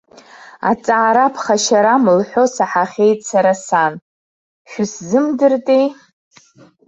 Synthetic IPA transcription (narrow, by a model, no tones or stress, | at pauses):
a̰t͡sʼaːɾapʰχaʃaɾamlħʷo̞saħaχʲe̞jtsʰaɾasan | ʃᶣʊszɨmdɨrtʼej